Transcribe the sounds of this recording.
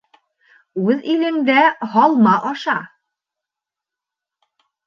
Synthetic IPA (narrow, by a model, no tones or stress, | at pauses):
ʉðilɘ̆md̪æhɒlˠmɑʔɒʃɑ